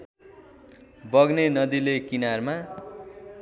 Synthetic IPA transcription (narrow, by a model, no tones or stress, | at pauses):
bʌɡnenʌd̪ilekinarma